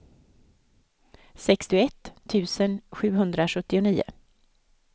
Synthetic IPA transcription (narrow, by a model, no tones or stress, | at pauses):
sɛkst̪ɪʊɛt̪ʰːʉ̟ːsənɧʉ̟ːɦɵnd̪ɾaɧɵt̪ːɪʊniːʊ̰